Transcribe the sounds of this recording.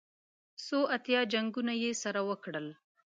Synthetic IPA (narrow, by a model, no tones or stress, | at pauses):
soʔat̪jɑd͡ʒaŋɡunajesaɾawəkɽəl